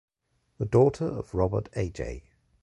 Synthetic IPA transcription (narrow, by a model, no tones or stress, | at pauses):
ðədɔˑtʰəɹə̰v̥ɹɒbətʰeɪd͡ʒḛɪ